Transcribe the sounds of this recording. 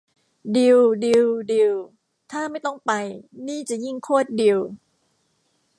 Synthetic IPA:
di˧wdi˧wdi˧w | t̪ʰaː˥˩ma˥˩jt̪ɔ˥˩ŋpa˧jniː˥˩t͡ɕa˨˩ʔji˥˩ŋkʰuː˥˩ət̪̚di˧w

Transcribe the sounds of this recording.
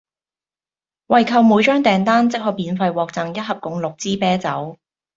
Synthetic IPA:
wɐ˨jkʰɐ˧wmuː˨˧jt͡ʃœː˥ŋt̪ɛː˨˩ŋt̪aː˥nt͡sɪ˥k̚hɔː˧˥piː˨˥nfɐ˧jwɔː˧k̚t͡sɐ˨ŋjɐ˥t̚hɐ˨p̚kʊ˨˥ŋlʊ˨k̚t͡siː˥pɛː˥t͡sɐ˨˥w

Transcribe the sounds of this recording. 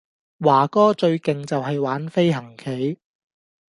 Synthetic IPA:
waː˨˩kɔː˥t͡ʃɵ˧ɥkɪ˨ŋt͡sɐ˨wɦɐ˨jwaː˨˥nfe˥jɦɐ˨˩ŋkʰe˨˥j

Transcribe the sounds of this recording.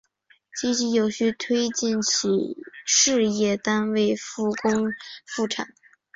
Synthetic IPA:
t͡ɕi˥ɕi˧˥jo˨˩ʊɕy˥˧t̪ʰwe˥ɪt͡ɕi˥˩nt͡ɕʰi˨˩ʂɻ̩˥˧jɛ˥˩t̪a˥nwe˥˩ɪfu˥˩kʊ˥ŋfu˥˩ʈ͡ʂʰa̰˨˩˦

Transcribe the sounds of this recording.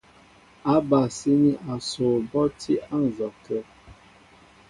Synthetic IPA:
a˦ba˨si˦ni˦ʔa˨so˨bɔ˦tʰi˦ʔa˦n̩˨zɔ˨kɛ˦

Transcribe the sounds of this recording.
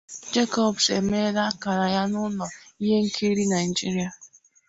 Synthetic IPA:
d͡ʒe˦kɔ˨bse˨me˦la˦ka˨ɾa˨ja˦nʊ˦nɔ˨i˦ɦe˦ŋ̩˦kʰe˦ɾi˦na˨ɪ˨d͡ʒi˦ɾi˨˦a˨

